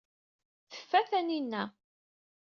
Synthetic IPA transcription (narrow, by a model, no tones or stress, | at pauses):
θə̥fːæθæninːæ